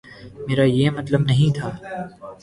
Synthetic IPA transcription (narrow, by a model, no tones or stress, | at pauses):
meːɾaːjeːmɐt̪ləbnɐɦĩt̪ʰaː